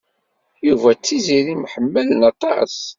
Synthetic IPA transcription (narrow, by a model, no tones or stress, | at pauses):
juvæt͡sːiziɾimħəmːələnɑt̪ˤːɑə̰s